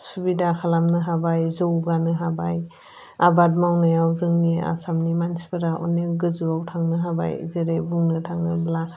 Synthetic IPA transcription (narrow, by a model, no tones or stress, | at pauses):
subidakʰalamnɯɦabajzowɡanɯɦabaj | abat̚mawnajawzɯŋnia̰samnimansi̥paɾaʔɔ̰neɡɯzuawtʰaŋnɯɦaba̰jzeɾebuŋnɯtʰaŋnɯbla